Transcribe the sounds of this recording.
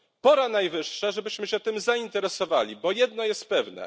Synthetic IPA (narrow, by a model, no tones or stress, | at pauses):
pɔɾanajvɘʂːaʐɛbɘɕmɘɕɛt̪ɘmzaint̪ɛɾɛsɔvalʲibɔjɛd̪nɔjɛst̪̚pɛvnɛ̰